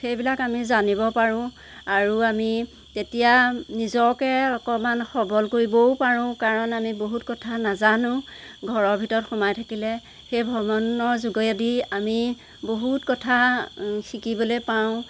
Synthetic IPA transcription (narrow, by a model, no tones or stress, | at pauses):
xejbilakamizanibɔpaɹʊ̃ | aɹuami | tetijanizɔkɛɔkɔmanxɔbɔlkoɹibɔwpaɹʊ̃kaɹɔnamiboɦutkɔtʰanazanʊ̃ | ɡʱɔɹɔɹbʱitɔɹɔtxɔmajtʰakilɛ | xejbʱɔmɔnɔɹzuɡɔjadiami | boɦutkɔtʰaxikibɔlojpaʊ̃